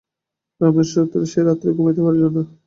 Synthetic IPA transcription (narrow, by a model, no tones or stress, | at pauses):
ameɾʃɾot̪ːod̪eʃeɾat̪ːɾeɡomet̪ebaɾd͡ʑonːo